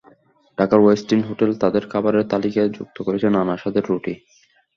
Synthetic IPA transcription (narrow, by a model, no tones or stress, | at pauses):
ɖ̥akaɾwesʈinɦoʈelt̪ad̪eɾkʰabaɾeɾt̪alikaed͡ʑṵk̚t̪okoɾet͡ɕʰenanaʃad̪eɾːoʈi